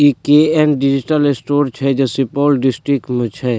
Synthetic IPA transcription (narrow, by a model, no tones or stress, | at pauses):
ikeɛnɖid͡ʒiʈəlɪsʈoːɾt͡ʃʰɛd͡ʒɛsipɔːlɖɪsʈɾikʈmẽt͡ʃʰɛ